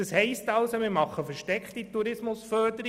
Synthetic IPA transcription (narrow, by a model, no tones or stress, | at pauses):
əshɛɪstɑlsomɪːmɑχːəfəɾʃtɛkχtituɾɪsmʊsfœɾdəɾi